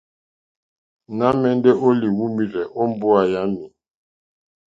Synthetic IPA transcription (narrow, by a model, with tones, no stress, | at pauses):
na˦mɛ˨n˦dɛ˦ʔo˦li˨wu˦mi˨ɾɛ˨ʔɔ˦m˦bu˦a˨ja˦mi˨